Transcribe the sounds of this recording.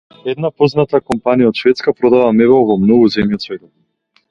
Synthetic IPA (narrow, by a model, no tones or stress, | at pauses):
ɛd̪napɔznat̪akɔmpanijaɔt̪ʃvɛt̪skapɾɔd̪avamɛβɛlˠvɔmnɔɡuzɛmjiɔt̪svɛt̪ɔ